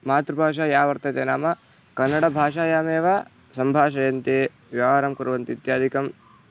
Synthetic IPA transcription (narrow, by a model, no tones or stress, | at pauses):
maːt̪ɾubʱaːʂ̬aːjaːʋɐɾt̪ɐt̪eːnaːmɐ | kɐnːɐɽɐbʱaːʂaːjaːmeːʋɐ | sɐmbʱaːʃɐjɐnt̪e | ʋjaːʋɐɾɐmkuɾɐʋɐnt̪it̪jaːd̪ʱikɐm